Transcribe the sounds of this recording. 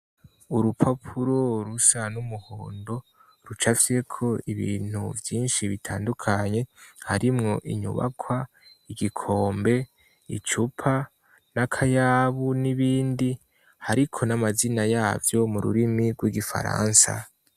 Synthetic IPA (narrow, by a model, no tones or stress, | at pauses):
uɾupʰapʰuɾo̞ɾusanumuhoːndo̞ | ɾut͡ʃafse̞kʰo̞iβḭːn̥hṵvjiːnʃiβitʰaːndukʰaɲe̞haɾimŋo̞ʔiɲṵβa̰kʰwa | iɡikʰo̞ːmbe̞ | it͡ʃupʰa | nakʰajaːβuniβiːndi | haɾikʰo̞namazinajaːvjo̞muɾṵɾimiɡwiɡifa̰ɾa̰ːnsa̰